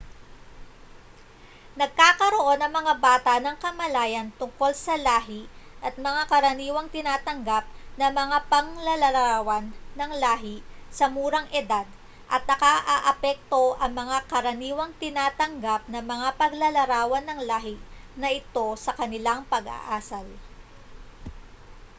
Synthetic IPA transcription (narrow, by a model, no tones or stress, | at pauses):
nɐɡ̚kaːkɐɾo̞ʔo̞nɐŋmɐŋabaːt̪ɐnɐŋkɐmɐlaːjɐnt̪ʊŋko̞lsɐlaːɦiʔɐt̪̚mɐŋakɐɾɐniːwɐŋt̪ɪnaːt̪ɐŋɡap̚nɐmɐŋapɐŋlɐlɐɾaːwɐnːɐŋlaːɦɪsɐmuːɾɐŋʔɛd̪ad̪ | ʔɐt̪̚nɐkaʔaːʔɐpɛk̚t̪o̞ʔɐŋmɐŋakɐɾɐniːwɐŋt̪ɪnaːt̪ɐŋɡap̚nɐmɐŋapɐɡlɐlɐɾaːwɐnɐŋlaːɦɪnɐʔɪt̪o̞sɐkɐnɪlaŋpɐɡɐ̰ʔaːsɐl